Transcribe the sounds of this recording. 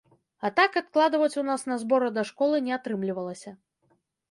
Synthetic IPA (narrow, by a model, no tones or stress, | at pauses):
at̪akat̪̚klˠad̪ɐvɐt͡sʲunasnɐzbɔɾɐd̪ɐʂkɔlˠɨnʲɛat̪ɾɨmlʲivɐlˠɐsʲɐ